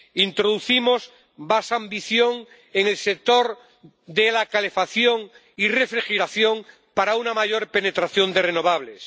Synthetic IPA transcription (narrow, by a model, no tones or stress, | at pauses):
int̪ɾo̞ðuθimoz | basambiθjo̞ŋ | eŋe̞lse̞k̚t̪o̞ɾ | d̪elakale̞faθjo̞ŋ | ire̞fɾixeɾaθjo̞ŋ | paɾaunamaʝo̞ɾpe̞ne̞t̪ɾaθjo̞nd̪e̞re̞no̞βaβ̞le̞s